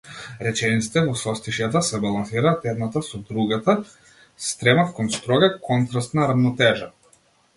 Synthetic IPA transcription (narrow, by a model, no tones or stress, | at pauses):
ɾɛt͡ʃɛnit̪si̥t̪ɛvɔsɔst̪iʃjat̪̬asɛbalˠansiɾaːt̪ɛd̪nat̪asɔd̪ɾuɡat̪a | st̪ɾɛmafkɔnst̪ɾɔɡakɔnt̪ɾast̪naɾavnɔt̪ɛʒa